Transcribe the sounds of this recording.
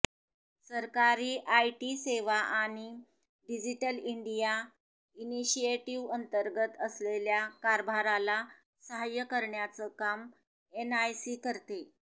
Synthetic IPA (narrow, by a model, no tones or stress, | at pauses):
səɾkaɾiːʔajʈiːseʋaʔaɽ̃i | ɖid͡ʑiʈəliɳɖija | iniɕieʈiʋənt̪əɾɡət̪əsleljakaɾbʱaɾala | səɦajəkəɾɳjat͡səkam | enajsiːkəɾt̪e